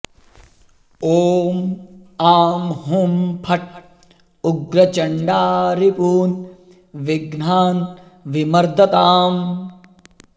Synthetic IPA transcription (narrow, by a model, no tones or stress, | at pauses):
oːmaːmɦumpʰɐʈ̚ | uɡɾɐt͡ʃɐɳɖaːɾipuːn | ʋiɡnaːn | ʋimɐɾd̪ɐt̪aːm